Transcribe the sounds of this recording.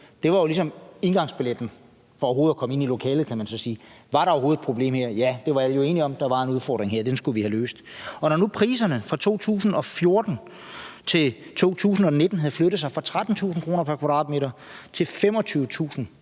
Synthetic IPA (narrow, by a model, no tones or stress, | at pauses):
d̥e̝ʋɑ̈jolisɒ̽me̝nɡ̥ɑ̈ŋsb̥iled̥n̩ | fɒɒːo̝ːð̩ˠɐkɒ̽məe̝nilo̝kʰɛ̰ːlð̩ˠkʰæmænsɒ̽siːʋɑ̈ɾɑ̈ɒo̝ːð̩ˠpʰʁo̝b̥le̝̰ːmheɐ̰jæd̥e̝ʋɑjo̝e̝ːniɒ̽md̥ɑ̈ʋɑ̈enuð̞ˠfɒ̰d̥ʁeŋɦeɐ̰d̥ensɡ̥uʋihælø̰ːsd̥ɒ̽nɒnupʰʁiːs̬ɐnəfʁɑ̈t͡sʰo̝̰ːt͡sʰṵːsn̩ɒ̽fjo̝ɐd̥n̩ | t͡sʰe̝lt͡sʰo̝̰ːt͡sʰṵːsn̩ɒ̽ne̝d̥n̩ɦæð̞̩ˠfløɾ̥ð̩ˠs̬ɑ̈ɪfʁɑ̈t͡sʰʁad̥n̩t͡sʰṵːsn̩kʰʁo̝ːnɐpʰæɐkʰʋɑ̈d̥ʁɑ̰d̥me̝ɾɐt͡sʰe̝lfemɒ̽t͡sʰyːʊət͡sʰṵːsn̩